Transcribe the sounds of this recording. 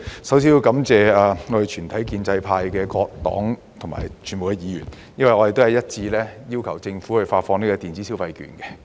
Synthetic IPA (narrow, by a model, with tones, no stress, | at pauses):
sɐ˨˥ws̬iː˨˧ji˧wkɐ˨˥mt͡sɛː˨aː˨ŋɔ˨˧d̪e˨˩t͡ʃʰyː˨˩nt̪ʰɐ˨˥jkiː˧nt͡sɐ˧jpʰaː˧jkɛː˧kɔː˧k̚t̪ɔ̰ː˨˥ŋ | t̪ʰʊ˨˩ŋma̰ː˨˩jt͡ʃʰyː˨˩nmo˨wkɛ˧jiː˨˥jyː˨˩n | jɐ˥nwɐ˨jŋɔː˧ɾe˨t̪hɐ˨jɐ˥t̚t͡siː˧lɛː˥ji˥wkʰɐ˨˩wt͡sɪ˧ŋfuː˨˥hɵ˨˧faː˧t̚fɔː˧ŋniː˥kɔː˧t̪iː˨nt͡siː˨˥si˥wfɐ˧jky̰ː˨nkɛ˧